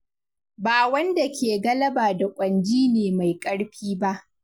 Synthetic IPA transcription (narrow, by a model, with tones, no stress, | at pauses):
baː˨wɐ˦nda˨kʲʰeː˨ɡɐ˦lɐ˦baː˨da˨kʷʼɐ˨nd͡ʒiː˦neː˨ma˨jkʼɐ˦ɽɸiː˦ba˦ʔ